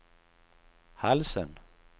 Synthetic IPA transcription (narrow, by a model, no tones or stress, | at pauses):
halsən